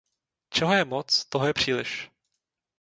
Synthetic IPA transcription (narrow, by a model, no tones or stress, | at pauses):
t͡ʃɛɦojɛmot͡st̪oɦojɛpr̝̥iːlɪ̰ʃ